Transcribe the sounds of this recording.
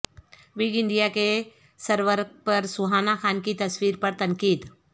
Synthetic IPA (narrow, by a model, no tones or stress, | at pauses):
ʋiɡɪ̃nɖijake | sɐɾʋəɾk̚pɐɾsʊɦaːnaxaːnkit̪ɐswiːɾpɐɾt̪ɐ̃ŋkiːd̪